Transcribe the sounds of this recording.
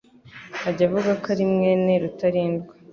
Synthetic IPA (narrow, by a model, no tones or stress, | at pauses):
aɟavuɡakaɾimŋe̞ːne̞ɾutaɾiːndɡḁ